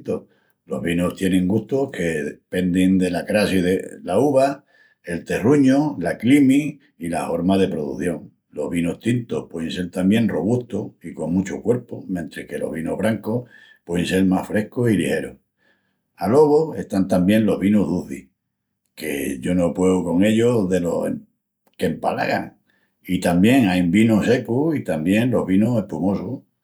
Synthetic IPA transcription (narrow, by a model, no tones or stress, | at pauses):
t̪o | lo̞̰ɦβinoht̪je̞nẽ̞ŋɡuht̪okʰe̞ðepe̞nd̪ind̪e̞lakɾasiðelauβa | e̞lt̪e̞ruɲolaklimi | ilaho̞ɾmaðe̞pɾo̞ðṵθjo̞ŋ | lo̞̰ɦβinoht̪int̪ohpwe̞ðẽnse̞ɾt̪ambje̞nro̞β̞uht̪oiko̞ŋmut͡ʃokwe̞ɾpomjẽnt̪ɾehke̞lo̞̰ɦβinoɦβɾaŋko̞h | pwe̞ðense̞ɾmahfɾe̞hkosilḭhe̞ɾo | alo̞ɣoe̞̰ht̪ant̪ambjẽ̞nlo̞ɦβinoɦðuθi | ke̞̰ʝo̞no̞pwe̞oko̞ŋe̞ʎoðe̞lo̞sḛ | kempa̰la̰ɣa̰ŋ | it̪ambje̞ŋajmbinose̞kuit̪ambje̞ŋlo̞ɦβinose̞hpumo̞so